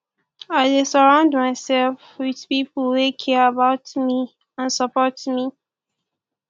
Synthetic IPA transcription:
aɪdesəɹãʊ̃ndmaɪsɛlfwiðpipəwekʰɛabaʊtmi | ãnsəpɔtmi

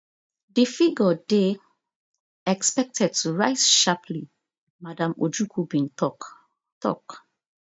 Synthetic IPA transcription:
difiɡɔde | ɛkspɛk̚tʰɛd̚tʰuɹaɪzʃapʰli | madãmo̰d͡ʒukʰubĩntɔ | tɔ̰k

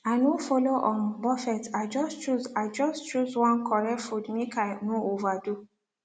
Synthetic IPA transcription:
anofɔloʔɔ̃nbɔfɛtaɪd͡ʒɔst͡ʃuzaɪd͡ʒɔst͡ʃuzwɔ̃nkʰɔɹɛtfudmekaɪnoovadu

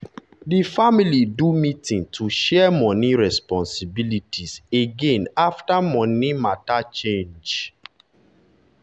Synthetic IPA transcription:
difamilidumĩtĩŋtʰuʃɛmɔ̃niɹɛspɔ̃nsibilitiseɡẽnaftamɔ̃nimatat͡ʃẽnd͡ʒ

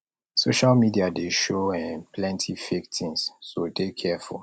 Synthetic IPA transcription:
soʃalmidiadeʃoɛ̃npʰlɛ̃ntʰifek̚tʰĩŋsːodekʰɛfṵl

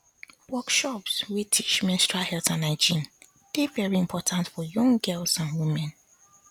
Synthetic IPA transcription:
wɔkʃɔpswitʰit͡ʃmɛ̃nstɹahɛltʰãnad͡ʒĩn | d̥evɛɹiĩmpʰɔtʰãntfɔjɔ̃ŋɡɛlsãnwumɛ̃n

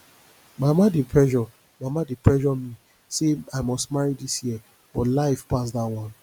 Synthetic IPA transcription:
mamadepʰɹɛʒɔ | mamadepɹɛʒɔmi | seaɪmɔstmaɹidisjiə | b̥ɔtlaɪfpasdatwɔ̃n

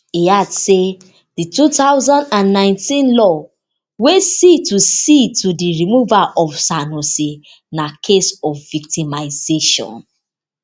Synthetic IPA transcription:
iadse | ditutaʊzãndãnːãɪ̃ntĩnlɔ | wesitusitudiɹimuvaʔɔfsanosi | nakʰesɔfvik̚timaɪzeʃɔ̰̃n

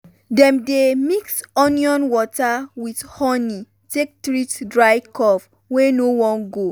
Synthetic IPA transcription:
dɛ̃mdemiksɔniɔ̃nwɔtawidhɔni | tek̚tɹitdɹaɪkɔf | wenowɔ̃nɡo

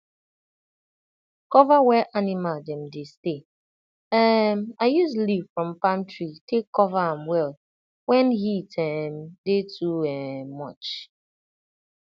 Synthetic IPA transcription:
kɔvawɛʔanɪmaldɛm̩deste | ɛmaɪjusliv̥fɹɔ̃mpãmtɹitekːɔvaãmwɛl | wɛ̃nɦitʰɛm̩dɪtʰuɛmɔt͡ʃ

